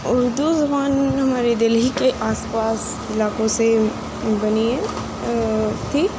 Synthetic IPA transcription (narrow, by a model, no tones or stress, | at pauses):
ʊɾd̪uzɐbaːnɦɐmaːɾed̪ɪlɦikeʔaːspaːs | ɪlaːkõse | bɐnie | t̪ʰi